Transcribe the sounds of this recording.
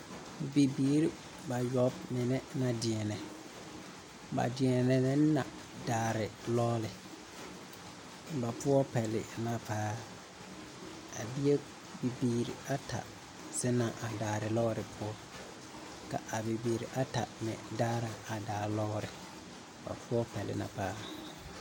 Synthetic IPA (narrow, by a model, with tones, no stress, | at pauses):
bi˨biː˨˦ɾi˦ | ba˨jɔ˦bmɪ˨nɛ˦na˨dɪ˨ɛ˨nɛ˨ | ba̰˨dɪ˨ɛ˨nɛ˨nɪ˦na˨ | daː˨ɾɪ˨lɔ˦lɪ˨ | ba˨pʊ˦ɔ˦pɛ˨lɪ̰˨na˨paː˦ | a˨bi˦e˦ | bi˨biː˨ɾḭ˨a˦ta̰˨ | zɪ˦na˨ʔa˨daː˨ɾɪ˨lɔ˦ɾɪ˨pʰʊ˦ɔ˦ | ka̰˨ʔa˨bi˨biː˨ɾi˨ʔa˦ta̰˨nɛ̰˨daː˦ɾa˨a˨daː˨lɔː˦ɾɪ˨ | ba̰˨pʊ˦ɔ˦pɛ˨lɪ̰˨na̰˨paː˦